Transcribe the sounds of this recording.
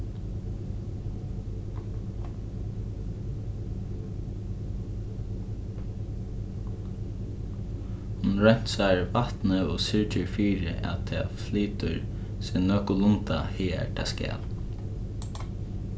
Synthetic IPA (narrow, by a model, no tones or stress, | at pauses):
hʊnɹɛn̥t̪saɹvat̪nəɔsɪɹt͡ʃəɹfiːɾɪ̰ʔa̰t̪ʰɛːfliːt̪ʊɹ | sɛnœkʊlʊnt̪ahiːɛ̰t̪ʰa̰skɛ̰ːl